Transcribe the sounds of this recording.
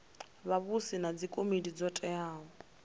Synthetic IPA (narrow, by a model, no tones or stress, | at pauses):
βaβusinad͡zikʼomidid͡zɔtʼɛaːɦɔ